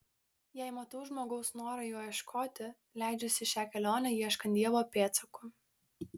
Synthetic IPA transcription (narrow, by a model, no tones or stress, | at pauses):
jɛɪmɐt̪ɐʊʒmoːɡɐʊsnoːɾɐjuːjiɛʃkʰoːt̪ʲɪ | lʲæˑɪd͡ʒʲɛsʲɪʃʲæːkʲɛlʲoːnʲɛjiɛʃkɐnd̪ʲiɛʋoːpʲeːt̪sɐkʊ